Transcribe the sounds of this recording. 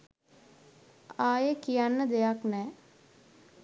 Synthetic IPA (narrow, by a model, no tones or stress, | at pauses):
aːjekijanːəd̪ejaknɛː